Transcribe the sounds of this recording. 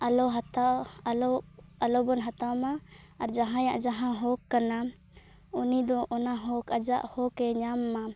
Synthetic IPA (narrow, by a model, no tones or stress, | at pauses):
alɔɦat̪alɔalɔbɔnɦat̪amaː | ɾd͡ʒaɦãjãʔd͡ʒaɦãɦɔkːana | unid̪ɔʔɔnaɦɔkad͡ʒaʔhɔkɛɲamːa